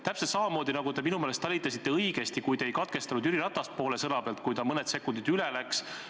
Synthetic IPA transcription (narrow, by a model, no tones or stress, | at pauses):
t̪æpselt̪sɑmɑmo̞ːd̪inɑɡud̪e̞minumeːlest̪ɑlʲit̪ːˑɑsʲit̪ːˑe̞ɤjɡ̥e̞st̪ikujd̪eejkɑt̪̚ke̞st̪ɑnud̪yɾiɾɑt̪ːˑɑst̪̚po̞ːlesɤnɑpelt̪̚kujt̪ɑmɤne̞d̪se̞kːˑund̪id̪ylelæks